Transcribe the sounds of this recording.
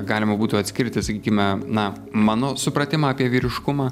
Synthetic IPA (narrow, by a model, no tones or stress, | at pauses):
ɡɑːlʲɪmɐbuːt̪ʊɐt̪ʲsʲkʲɪɾʲt̪ʲɪsɐkʲiːkʲɪmʲɛnɐ | mɑːnoːsʊpɾɐt̪ʲɪmɑːɑpʲiɛʋʲiːɾʲɪʃkʊmɑː